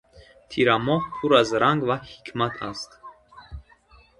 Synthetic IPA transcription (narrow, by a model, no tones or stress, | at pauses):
t̪ʰiɾamɔhpʰuɾazɾaŋɡvahikʰmat̪ʰast̪